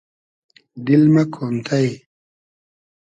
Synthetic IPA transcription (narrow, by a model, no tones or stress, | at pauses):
d̪ilmɐkʰomt̪ʰaj